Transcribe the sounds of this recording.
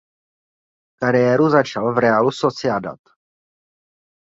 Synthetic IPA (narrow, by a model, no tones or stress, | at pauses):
kaɾɪjɛːɾuzat͡ʃalvɾɛaluso̞t͡sɪada̰t̪